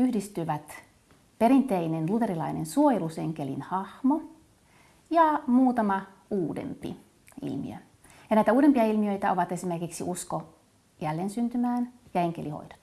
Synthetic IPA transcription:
yhdist̪yʋæt̪ | peɾint̪einenlut̪e̞ɾilɑ̰inensuojeluseŋkelḭnhɑhmo | jɑmuːt̪ɑmɑ | uːdḛmpḭ | ḭlmḭø̰ | jɑnæit̪æuːdempiɑilmiøit̪æoʋɑt̪esimerkiksiʔusko | jælːeːnsynt̪ymæːnjɑeŋkeliho̰id̥ɑ̥t̪

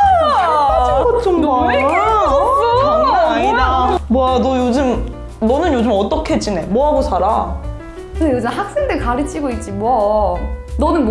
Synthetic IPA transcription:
ot͡ɕ͈ʌŋd | iamwanʌjod͡ʑɯm | nʌnɯnjod͡ʑɯmʌt͈ʌkʰeet͡ɕ͈ine̞mwʌɦaɡosʰaɾa | kɯnjod͡ʑɯmhak̚s͈eŋdekaɾit͡ɕ͈iɡoit̚t͡ɕ͈imwʌ | nʌnɯn

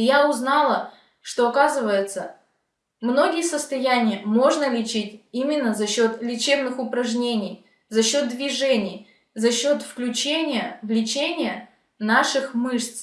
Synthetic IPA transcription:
jaʊznɑlˠə | ʂt̪o̞ɐkazɨvəjɪt̪sə | mno̞ɡʲɪjəsəst̪ɐjænʲɪjəmo̞ʐnəlʲɪt͡ɕitʲimʲɪnːəzɐɕːo̞t̪lʲɪt͡ɕebnɨxʊpɾɐʐnʲenʲɪj | zɐɕːo̞t̪̚d̪vʲɪʐɛnʲɪj | zɐɕːo̞t̪fklʲʉt͡ɕenʲɪjəvlʲɪt͡ɕenʲɪjə | naʂɨxmɨʂt̪s

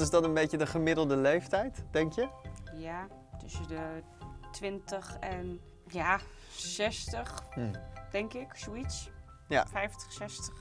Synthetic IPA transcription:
ɪsdɑnənbejcədəχəmɪdəl̩ˠdəlejftɛjtd̥ɛŋkjəja | tʏsədə | tʋɪntəχɛn | jaː | sɛstəχ | d̥ɛŋkɪksoits | jafɛjftə̥χsɛstəχ

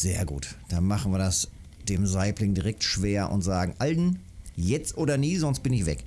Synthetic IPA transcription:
z̥eːɐɡṵːtd̥anmaχn̩viːɐdas | d̥eːmzaɪplɪŋdiʁɛk̚tʃv̥eːɐʔʊ̰ntz̥aːɡŋ̩ʔaln̩ | jɛt͡stʔoːdɐniːzɔnst̚b̥ɪnɪçv̥ɛ̰k

